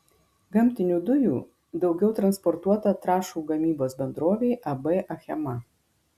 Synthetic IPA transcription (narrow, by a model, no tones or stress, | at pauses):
ɡɐmʲt̪ʲɪnʲuːd̪ʊjuː | d̪ɒʊɡʲɛʊt̪ɾɐnspɔɾt̪uɔt̪ɐt̪ɾɑːʃuːɡɐmʲiːboːsbʲɛnd̪ɾoːʋʲeɪʔɐbɐʔɐxʲɛmɐ